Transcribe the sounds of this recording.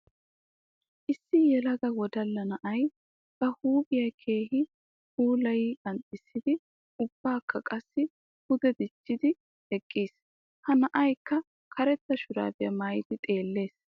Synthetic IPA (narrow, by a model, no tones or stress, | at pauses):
ʔɪsːɪjɛlɐɡɐwɔd̪ɐlːɐnɐʔɐj | b̥ɐhuːbɪjɐkʰe̞ːhɪ | huːlɐjiʔɐnt̪ʼːɪsːɪd̪ɪ | ʊb̥ːaːkːɐkʼɐsːɪ | hʊd̪ɛd̪ɪt͡ʃːɪd̪ɪ | hɛkʼːiːs | hɐnɐʔɐjkːɐ | kʰɐɾɛt̪ːɐʃʊɾa̰ːbɪjɐmaːjɪd̪ɪt̪ʼe̞ːlːe̞ːs